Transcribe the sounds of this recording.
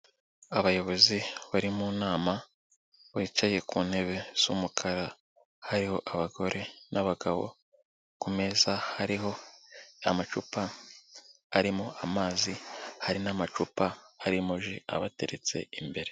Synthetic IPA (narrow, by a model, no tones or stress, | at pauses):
aβajo̞βo̞ziβaɾimunaːma | βiːt͡ʃaje̞kuːnhe̞βe̞z̥umukʰaɾa | haɾiho̞ʔaβaɡo̞ɾʔe̞naβaɡaβo̞̰ | kume̞zahaɾiɦo̞ | amat͡ʃupaː | ɾimoʔamaːzihaɾinamat͡ʃupaːɾimoʒia̰βate̞ɾet͡se̞̰imbe̞ɾe̞